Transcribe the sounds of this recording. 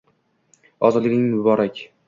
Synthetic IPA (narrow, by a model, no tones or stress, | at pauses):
ɒzɒd̪lɪkʲnɪŋmʊbɒɾakʲ